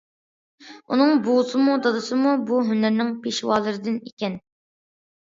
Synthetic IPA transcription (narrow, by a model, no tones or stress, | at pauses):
unɨŋbusɨmud̪ɑd̪ɨsɨmubuɦynæɾnɪŋpʰeʃwɑːlˠɨɾɨd̪ɨnikʲɛn